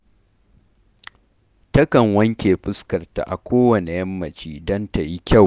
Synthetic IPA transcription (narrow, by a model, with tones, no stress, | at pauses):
tɐ˦kɐ˨ŋwɐ˦ŋkʲeː˨ɸʼɪ˦skɐ˨rta̰˨ʔa̰˨kʷoː˦wɐ˨ne˨jɐ˦mːɐ˨t͡ʃiː˦dɐ˦nta˨ji˦kʲa˦˨w